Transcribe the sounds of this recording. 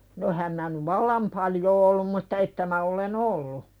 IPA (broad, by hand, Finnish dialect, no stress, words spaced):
no ehæm mæː nyʋ ʋɑlːɑm pɑljoː olːum mutːɑ etːæ mæ olen olːu